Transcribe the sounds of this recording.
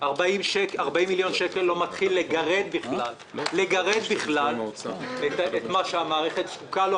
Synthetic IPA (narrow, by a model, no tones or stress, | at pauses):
aʁbaimʃekaʁbaimːiljo̞nʃekelːo̞mat̪χilːeɡaʁed̪biχalː | eɡaʁed̪biχlal̰et̪et̪maʃeamaːʁeχe̞t̪skukalo